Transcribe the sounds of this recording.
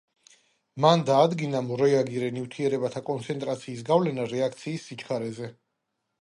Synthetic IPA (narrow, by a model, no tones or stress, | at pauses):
mand̪aːd̪ɡinamɔɾɛaɡiɾɛnivt̪ʰiɛɾɛbat̪ʰakʼɔnt̪sʰɛnt̪ʼɾat̪sʰiːs̬ɡavlɛnaɾɛak̚ʰt̪sʰiːsːit͡ʃχaɾɛzɛ